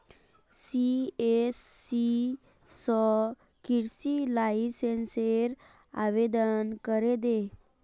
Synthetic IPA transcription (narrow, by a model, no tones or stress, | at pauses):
siesːi | sɔ | kiɾsilaisenseɾ | a̰ʋed̪ənkəɾɛd̪e